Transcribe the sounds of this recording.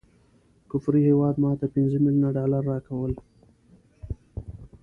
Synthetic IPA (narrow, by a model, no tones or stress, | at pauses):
kʊfɾihewɑd̪mɑt̪apɪnzəmiljunaɖɑlaɾːɑkawəl